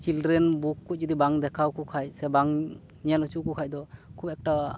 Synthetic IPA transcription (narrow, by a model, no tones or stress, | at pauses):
t͡ʃildɾɛnbukːuc̚d͡ʒɔd̪ibaŋd̪ɛkʰawkukʰajsɛbaŋ | nɛjalut͡ʃuʔkukʰaj̚d̪ɔkʰubɛk̚ʈa